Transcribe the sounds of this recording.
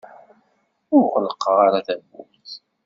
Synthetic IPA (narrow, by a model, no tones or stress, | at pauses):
ʊɾqələqːəʁaɾaθævṵmθ